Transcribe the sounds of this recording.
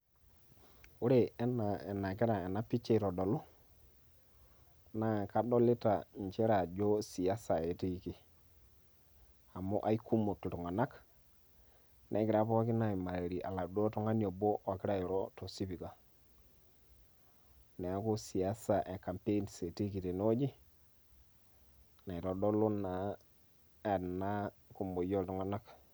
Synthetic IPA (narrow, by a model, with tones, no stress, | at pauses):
u˦ɾe˨˦na˨na˨ki˦ɾa˨e˨na˦pi˦t͡ʃːe˦˨to˨do˨lu˦ | na˦˨ka˦do˦li˦ta˨ɲt͡ʃe˦ɾa˨d͡ʒo˦si˨ja˦sa˨e˨ti˦˨ki˦ | a˨mo˦ʔa˦i˦ku˦mu˨ttu˨ŋa˨na˦k | nʔa̰˨˦ki˨ɾa˦pɔ˦ki˦na˨i˨ma˨ɾe˨ɾi˨ʔa̰˨la˨do˦tɔ˦ŋa˦njo˨bo˦ʔa˨ki˦ɾa˦i˨ɾo˦to˨si˦pi˨ka˨ | ne˨a˦ku˦si˨a˦sa˨ʔe˨ka˨mpe˦nse˨ti˦ki˨te˨no˦d͡ʒi˦ | na˨i˨to˨do˦lo˦na˨ | e˨na˦ | ku˨mbo˨jo˦ltu˨ŋa˨˦na˦k